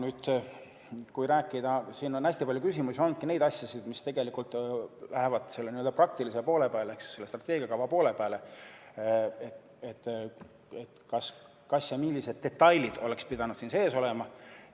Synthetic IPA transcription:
nyːd̪̥ | kujɾæːkːˑid̪̥ɑsiːno̞næsʲt̪ipɑlʲjukysʲimusʲio̞nd̪kine̞jd̪ɑsʲjɑsid̪̥mist̪e̞ɡ̥e̞likult̪ˑlæɦevɑd̪̥se̞lːeniøld̪ɑprɑk̚t̪ilisepo̞ːle̞pæːleeksse̞lːest̪rɑt̪ːˑeːɡ̥ʲiɑkɑvɑpo̞ːlepæːle̞ | e | et̪ː | et̪kɑs | kɑsjɑmilːise̞d̪̚ːe̞t̪ːɑjlid̪̥o̞le̞kspid̪ɑnud̪̥siːnse̞ːso̞lemɑ

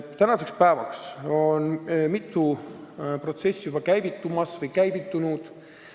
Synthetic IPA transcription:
t̪ænɑse̞kspæevɑkso̞nmit̪ːˑu | pro̞t̪se̞sʲːjub̥ɑkæjvit̪ːˑumɑsvɤjkæjvit̪ːunud̪̥

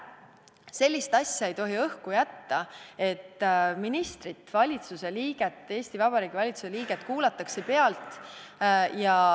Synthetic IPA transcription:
se̞lʲːist̪ɑsʲjɑe̞jt̪o̞ɦiɤhkujæt̪ːɑe̞t̪ːˑminist̪rit̪ːˑvɑlʲit̪suse̞liːɡ̥et̪ːˑe̞ːst̪ivɑb̥ɑɾiːɡ̥ivɑlʲit̪suse̞liːɡ̥et̪ˑkuːlɑt̪ːˑɑkse̞pe̞ɑlt̪ˑ | jɑ

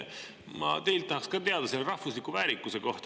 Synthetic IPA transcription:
mɑ̰t̪e̞jlt̪ːɑhɑkskɑt̪e̞ɑd̪ɑselːeɾɑhvuslikːˑuvæːɾikːˑuseko̞ht̪

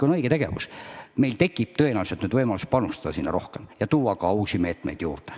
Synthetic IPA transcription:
konɤjɡet̪æɡ̥ḛvṵsme̞jlt̪e̞kːˑip̚t̪ɤ̞enæɑːluset̪nyd̪vɤjmɑlus̚pɑnust̪ɑd̪̥ɑsinːɑɾo̞hkemjɑt̪uːɑkɑuːsime̞ːt̪mḛjd̪̥jṵːrd̪e

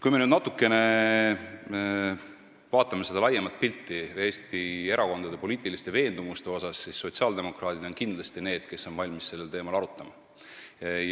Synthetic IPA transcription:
kujme̞nyːd̪nɑt̪ːˑukːe̞ne̞ | vɑːt̪ːˑɑme̞se̞d̪̥ɑlɑjːemɑt̪̚pilʲt̪ːie̞ːst̪ie̞ɾʔɑko̞nd̪ɑd̪e̞po̞liːt̪ˑilist̪e̞ve̞ːnd̪̥umust̪e̞o̞sɑsːisːo̞t̪siɑld̪e̞mo̞kɾɑːd̪̥id̪̥o̞nkind̪lɑst̪ine̞ːd̪̥ke̞sːo̞nvɑlʲmisse̞lːelt̪e̞ːmɑlɑɾut̪ˑːɑmɑ

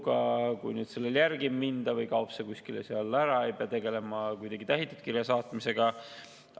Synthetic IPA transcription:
ɡɑkṵjnyd̪̥se̞lːeljærɡimːind̪ɑvɤjkɑopsekuskileseɑlːæɾɑe̞jpeɑt̪e̞ɡe̞le̞mɑkujd̪̥ɑɡ̥it̪æɦit̪ːˑut̪kiɾjɑsɑːt̪ˑmise̞ɡ̥ɑ

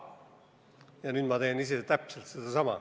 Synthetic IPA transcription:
jɑnyːd̪̥mɑt̪e̞ːniset̪æpselt̪sed̪̥ɑsɑmɑ̰

